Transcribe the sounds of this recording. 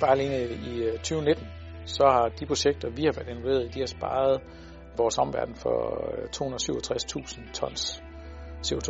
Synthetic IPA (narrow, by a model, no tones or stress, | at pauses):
b̥ɑ̈ːle̝nəit͡sʰyːʊne̝d̥n̩ | sɒ̽hɑ̈d̥ipʰʁo̝ɕeɡ̥̚d̥ɐʋihɑ̈ʋæɐd̥e̝noʋe̝̰ɐðˠid̥ihɑ̈sb̥ɑ̰̈ːð̞̩ˠ | ʋɒːsɒ̽m̰ʋæɐd̥n̩fɒ̰t͡sʰo̝̰ːhunɐsyʊ̰ɐt͡sʰʁast͡sʰṵːsn̩t͡sʰɒ̽n̰s | se̝ot͡sʰo